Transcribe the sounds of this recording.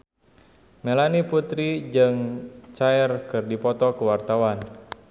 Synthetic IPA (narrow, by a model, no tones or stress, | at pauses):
melaniput̪ɾid͡ʒɨŋt͡ʃaɛrkɨrdipɔt̪ɔkəwart̪awan